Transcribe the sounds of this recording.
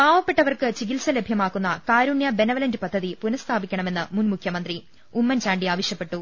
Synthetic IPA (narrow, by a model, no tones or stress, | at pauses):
baːʋɐpːeʈːɐʋɐrkɨt͡ɕiɡilsɐlebʱjɐmaːkːunːɐkaːɾuɳjɐbe̞nɐʋɐlɐndɨpɐd̪ʱːɐðipunɐst̪ʰaːbikʲːɐɳɐme̞nːɨmunmukʰjɐmɐnd̪ri | umːɐnt͡ɕaːɳɖiaːʋɐɕjɐpːe̞ʈːu